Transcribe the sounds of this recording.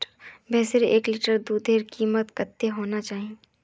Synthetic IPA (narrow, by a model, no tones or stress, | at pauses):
bɛːseɾeːkliːʈəɾd̪uːd̪ʱeːɾkiːmət̪kət̪ːeɦoːnat͡ʃaːɦĩ